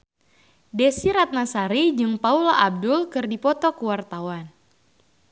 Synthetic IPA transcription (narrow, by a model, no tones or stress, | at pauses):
dɛsiɾat̪̚nasaɾid͡ʒɨŋpaulaʔab̚dʊlkɨrdipɔt̪ɔkuwart̪awan